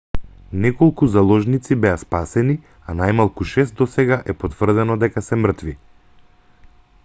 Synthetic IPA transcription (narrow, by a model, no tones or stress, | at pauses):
nɛkɔlˠkuzalˠɔʒnit̪sibɛaspasɛni | anajmalˠkuʃɛst̪d̪ɔsɛɡaʔɛpɔt̪vr̩d̪ɛnɔd̪ɛkasɛmr̩t̪vi